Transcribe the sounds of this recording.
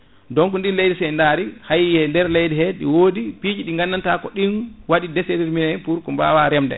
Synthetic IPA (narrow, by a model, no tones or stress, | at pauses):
dɔŋkunɗinlejdɛsɛjndaːɾihajihɛndɛɾlejdɛhɛɗḭwodipiːd͡ʒiɗiŋɡanːantakɔɗinwaɗidɛsediɾminɛpuɾkɔmba̰ːwaɾɛmdɛ̰